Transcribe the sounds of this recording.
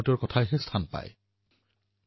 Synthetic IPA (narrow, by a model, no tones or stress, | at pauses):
tiɔɹkɔtʰajɦɛstʰanpa̰j